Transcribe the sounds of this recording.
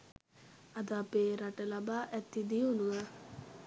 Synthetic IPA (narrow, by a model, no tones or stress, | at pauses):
ad̪apeːɾaʈəlabaːʔɛt̪ːid̪iunuʋə